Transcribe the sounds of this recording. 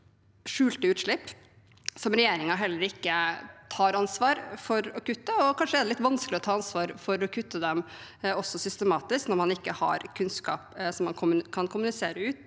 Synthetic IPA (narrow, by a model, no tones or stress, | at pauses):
ʂʉːlt̪əʉːt̪ʂɭɪpː | sɔmɾɛjeːɾɪŋɑɦɛlːəɾɪkːət̪ʰɑːɾɑnsʋɑːɾfɔɾɔkʉt̪ːəɔkʰɑnʂəɛd̪ɛlɪt̪ːʋɑnsklɪɔt̪ʰɑːɑnsʋɑːɾfɔɾɔkʰʉt̪ːəd̪ɛmɔsːɔsʏst̪əmɑːt̪ɪsknɔɾmɑnɪkːəhɑ̰ɾkʰʉnskɑ̰ːpsɔmːɑnkʰʊmkʰɑnkʰʊmʉnɪseːɾəʉːt̪